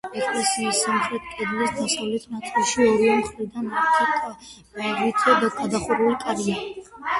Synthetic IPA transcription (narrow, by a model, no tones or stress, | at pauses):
ɛkʼlɛsiːsamχɾɛt̪ʰkʼɛd̪lasd̪asavlɛt̪ʰnat̪ʼɛʃiɔɾimχɾid̪anat̪ʰikʼa | avit̪ʰɛd̪aɡad̪aχuɾulikʼad̪mi